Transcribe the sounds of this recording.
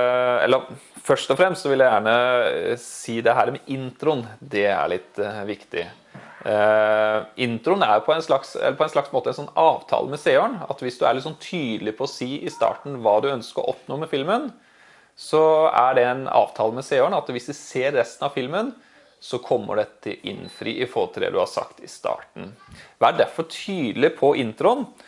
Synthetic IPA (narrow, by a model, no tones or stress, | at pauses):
ɛ̰lːəɾfœʂʈɔfɾɛmst̪sɔʋɪljæɪjæːɳə | siːd̪ɛɦæːɾmɛʔɪnt̪ɾʊnd̪ɛæ̰ɭɪt̪ːʋɪkt̪ɪ̰ | ɪnt̪ɾʊənæ̰ɾjʊpʰɔɛnslɑksɛ̰lːəpʰɔɛnʂɭɑksmoːt̪əɛnsɔnːɑːʋt̪ʰɑ̰ːləmɛseːoɳɑ̰t̪ʋɪsd̪ʉæ̰ɭɪt̪sɔnt̪ʰyːd̪lɪpʰɔɔsiːʔɪst̪ɑ̰ːʈn̩ʋɑːd̪ʉœnskəɾɔ̰ʔɔpnoːmɛfɪlmən | sɔæɖɛænɑ̰ːʋt̪ʰɑːləmɛseːoɳɑt̪ʋɪsd̪ʉseːɾːɛst̪n̩ɑʋfɪlmən | sɔkʰɔmːə̰ɖɛt̪ʰɪlʔɪ̰nfɾḭːʔɪfɔɾt̪ʰɾḛːd̪ʉhɑ̰sɑ̰kt̪ɪst̪ɑ̰ːʈɳ̩ʋɑæɖæɾfɔʈʰyːd̪lɪpʰɔʔɪnt̪ɾʊən